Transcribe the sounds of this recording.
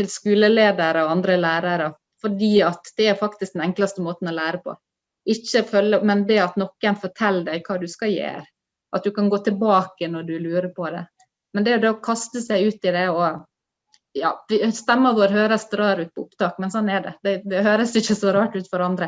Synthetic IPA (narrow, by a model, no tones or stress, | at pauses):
t̪ʰɪlskʉːləleːd̪əɾəɔɑnd̪ɾəlæːɾɑɾə | fɔɖiːɑt̪d̪ɛæɾfɑkt̪ɪskd̪ɛnɛŋklɑst̪əmoːt̪n̩ɔlæːɾəpʰɔ̰ | ɪçːəfœlːəmɛnd̪ɛɑt̪nɔkːənfɔʈʰɛlːd̪æɪkʰɑːd̪ʉskɑjḛːɾ | ʔɑt̪̚d̪ʉkɑnɡoːt̪ʰɪlbɑːkənɔɖʉlʉːɾəpʰɔd̪ɛ̰ | mɛnd̪ɛæjʊd̪ɛkʰɑst̪əsæɪʉːt̪ɪd̪ɛɔ | jɑ̰ːʋɪst̪ɛmːəʋoːɾɦøːɾəsd̪ɾɑːɾʉːt̪̚pʰɔʊpt̪ɑːkmɛnsɔnːɛɖɛ̰d̪ɛd̪ɛhøːɾəsɪçːəsɔɾɑːʈʉːt̪fɔɾɑnd̪ɾə